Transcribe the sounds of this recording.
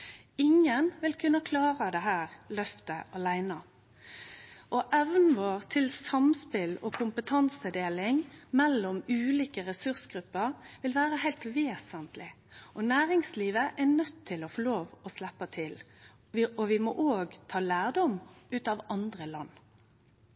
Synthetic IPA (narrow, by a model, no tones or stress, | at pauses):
ɪŋənʋɪlkʰʉnːəkʰlɑːʁəd̪ɛɦæːʁlœft̪əʔɑlæɪnɑ | ʔɔʔɛʋn̩ʋoːʁt̪ʰɪlsɑmspɪlɔkʰʊmpət̪ʰɑnsəd̪eːlɪŋmɛlːɔmʉːliːkəɾɛsʉʁsɡɾʉpːəʁʋɪlʋæːɾəhæɪlt̪ʋeːsənt̪lɪ | ʔɔnæːʁɪŋsliːʋəʔɛnœt̪ʰːɪlɔfɔloːʋɔslɛpːɑt̪ʰɪl | ɔʋɪmɔʔoːɡt̪ʰɑːlæːʁd̪ɔmʉːt̪ɑʋɑnd̪ʁəlɑnː